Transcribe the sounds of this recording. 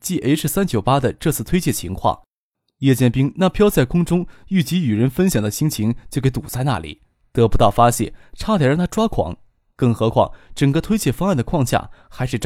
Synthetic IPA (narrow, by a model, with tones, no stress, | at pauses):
t͡ɕi˥˩ʔe˥ɪʂɻ̩˥˩sa˥nt͡ɕjo˨˩ʊpa˥d̪ə˨ʈ͡ʂɤ˥˧t͡sʰɹ̩˥˩t̪ʰwe˥ɪt͡ɕjɛ˥˩t͡ɕʰḭ˧˥ŋkʰwɑ̰˥˩ŋ | jɛ˥˧t͡ɕjɛ˥˩npi˥ŋna˥˩pʰjɑ˥ʊt͡sa˥˩ɪkʰʊ˥ŋʈ͡ʂʊ˥ŋy˥˩t͡ɕi˧˥y˨˩ɻə˧˥nfə˥nɕjɑ˨˩ŋd̪ə˦ɕi˧˥ŋt͡ɕʰi˧˥ŋt͡ɕjo˥˧ʊke˧˥ɪt̪u˨˩t͡sa˥˧ɪna̰˥˩lḭ˨˩˦ | t̪ɤ˧˥pu˧˥t̪ɑ˥˩ʊfa˥ɕjɛ̰˥˩ʈ͡ʂʰa˥t̪ʰjɑ˨˩ɻɑ˥˩a˥ʈ͡ʂwa˥kʰwɑ̰˧˥˦ŋ | kɤ˥˩ŋxɤ˧˥kʰwɑ̰˥˩ŋʈ͡ʂə˨˩ŋkə˧t̪ʰwe˥ɪt͡ɕjɛ˥˩fɑ˥ŋa˥˩nd̪ə˩kʰwɑ˥˧ŋɕja̰˥˩xa˧˥ɪʂɻ̩˥˩ʈ͡ʂ